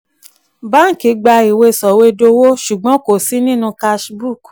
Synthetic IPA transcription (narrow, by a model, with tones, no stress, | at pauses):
ba˦ŋ̩˦˨ki˨˧˦ɡ͡ba˧i˨we˧sɔ˨we˧˦do˧wo˦ʃu˨ɡ͡bɔ̃˨˦ko˨si˦nĩ˦nũ˧ka˧ʃbu˦˨k